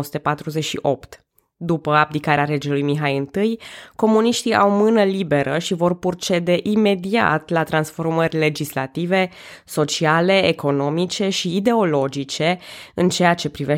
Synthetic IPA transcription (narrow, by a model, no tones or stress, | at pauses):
osu̥t̪əpat̪ɾuzeʃḭʔo̞pt̪ | d̪upəab̚d̪ikaɾeaɾe̞d͡ʒelujmiɦajɨnt̪ɨjko̞muniʃt̪ia̰wmɨnəlibe̞ɾʔəʃivo̞rpurt͡ʃe̞d̪e̞ʔime̞d̪ia̰t̪lat̪ɾansfo̞rmərʲle̞d͡ʒisla̰t̪ive̞ | so̞t͡ʃiale̞ːko̞no̞mit͡ʃe̞ʃiːd̪e̞o̞lo̞d͡ʒit͡ʃe̞ɨnt͡ʃe̞jat͡ʃe̞pɾive